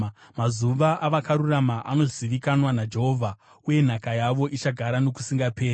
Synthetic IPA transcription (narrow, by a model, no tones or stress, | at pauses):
mazuʋaʔaʋakaɾuramaʔano̞zziʋikanwanad͡ʒe̞ɦo̞ːvʱa | uje̞n̤akajaʋo̞ʔit͡ʃaɡʱaɾano̞ku̥siŋɡape̞ːr